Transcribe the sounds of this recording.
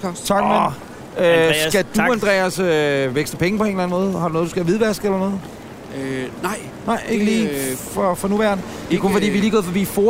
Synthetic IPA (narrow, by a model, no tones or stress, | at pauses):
t͡sʰɑ̈ɡ̥me | øsɡ̥æd̥uend̥ʁɛ̰ːɐsøʋeɡ̥sd̥əpʰeŋəpʰɒ̽e̝nlæn̩mɔ̽ːð̞̩ˠhɑd̥unɔ̽ːðˠdusɡ̥æʋiðˠʋæsɡ̥elɐnɔ̽ːð̩ˠ | nɑɪ̰ | nɑ̈ɪ̰e̝ɡ̥əliːfɒfɒ̽nuʋæɐnə | d̥ikʰufɒ̽dḭːʋiliːɡ̥ɔ̽ðˠfɒ̽b̥ḭfoː